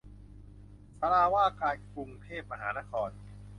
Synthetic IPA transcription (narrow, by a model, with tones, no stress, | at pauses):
sa˧ɾaː˧waː˥˩kaː˧nku˧ŋt̪ʰeː˥˩p̚ma˧ɦaː˩˦na˦˥kʰɔː˧n